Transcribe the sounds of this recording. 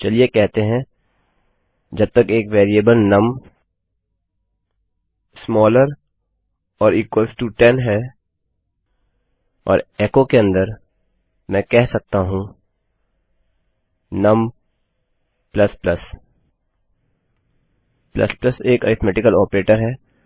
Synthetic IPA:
t͡ʃɐliekɛɦt̪eɦɛ̃ | d͡ʒɐb̚t̪ɐkeːkʋeːɾieːbəlnɐm | smɔːləɾ | ɔːɾiːkwəlsʈuʈɛnɦɛ | ɔ̰ːɾɛːkõkeɐ̃nd̪əɾ | mɛ̃ːkɛɦsɐk̚t̪aɦũ | nɐm | plɐsplɐs | plɐ̰splɐseːka̰ɾɪt̪ʰmɛːʈɪkəlɔːpɾeːʈəɾɦɛː

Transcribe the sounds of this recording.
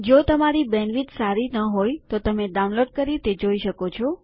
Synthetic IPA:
d͡ʒot̪əmaɾibɛnʋit̪saɾinəɦojt̪ot̪əmeɖawunloɖ̚kəɾit̪ed͡ʒoiʃəkot͡ʃʰɔ

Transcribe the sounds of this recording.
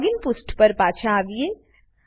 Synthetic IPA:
ɡɪnpʊsʈpɐɾpaːt͡ʃʰãːʋije

